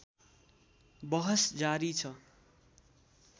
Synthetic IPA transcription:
bʌɦʌsd͡zaɾit͡sʰʌ

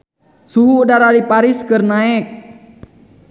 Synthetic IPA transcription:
suɦuːdaɾalipaɾiskɨrnaɛk̚

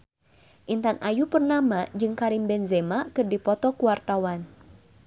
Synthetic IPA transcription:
ʔint̪anʔajupərnamad͡ʒɨŋkaɾimbɛnzɛmakɨrdipɔt̪ɔkuwart̪awan

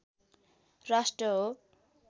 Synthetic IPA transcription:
rasʈrʌɦo

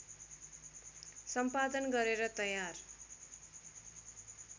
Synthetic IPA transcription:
sʌmpad̪ʌnɡʌɾeɾʌt̪ʌjar

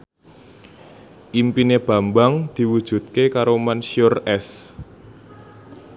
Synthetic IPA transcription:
ʔimpineb̥a̤mbaŋd̪̥i̤wud̥ʒ̥ṳt̪̚kekaɾomanʃiʊrɛs

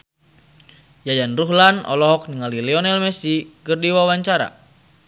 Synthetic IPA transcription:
jajanruɦlanʔɔ̰lɔɦɔk̚niŋalilɛɔnɛlmɛsikɨrdiwawaɲt͡ʃaɾa̰

